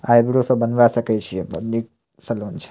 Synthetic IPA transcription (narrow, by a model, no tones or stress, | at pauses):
aebɾosobənʋaʃəket͡ʃʰiebə̰dːi | səlont͡ʃʰe̥